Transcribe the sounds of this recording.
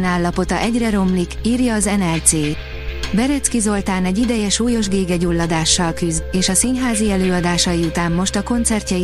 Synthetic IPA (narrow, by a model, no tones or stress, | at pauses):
naːlːɒpo̞t̪ɒʔɛɟrɛɾo̞mlikiːrjɒːzɛnɛlt̪seː | bɛɾøt̪skizo̞lt̪aːnɛɟid̪ɛjɛʃuːjo̞ʒɡeːɡɛɟulːɒd̪aːʃːɒlkyzeːʃɒsinɦaːziɛløːɒd̪aːʃɒjiut̪aːmːo̞ʃt̪ɒko̞nt̪sɛrcɒ